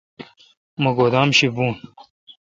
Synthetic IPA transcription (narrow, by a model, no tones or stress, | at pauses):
mɐɡoːd̪aːmɕibuːn